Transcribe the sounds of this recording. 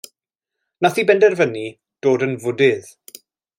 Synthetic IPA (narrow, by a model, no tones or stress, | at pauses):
naθiːbɛndɛrvəni | d̥oːdənvʊdɪð